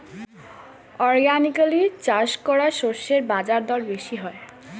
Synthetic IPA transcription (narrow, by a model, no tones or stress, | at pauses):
ɔɾɡanikalit͡ɕaʃkɔɾaʃoɾʃeɾbad͡ʑaɾd̪ɔɾbeʃiɦɔe